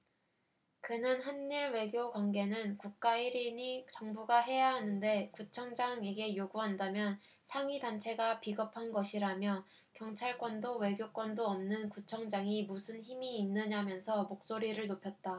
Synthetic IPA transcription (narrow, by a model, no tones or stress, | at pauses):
kɯnɯnɦanːiɭwe̞ɡjoɡwanɡe̞nɯnkuk̚k͈aiɾiɲit͡ɕʌŋbuɡaɦe̞jaɦanɯnde̞kut͡ɕʰʌŋd͡ʑaŋe̞ɡe̞joɡuɦandamjʌn | sʰaŋɥidant͡ɕʰe̞ɡapiɡʌpʰanɡʌɕʰiɾamjʌ | kjʌŋt͡ɕʰaɭk͈wʌndowe̞ɡjok͈wʌndoʌmnɯnkut͡ɕʰʌŋd͡ʑaŋimusʰɯnçimiːnːɯɲamjʌnsʰʌmok̚s͈oɾiɾɯɭnopʰjʌt̚t͈a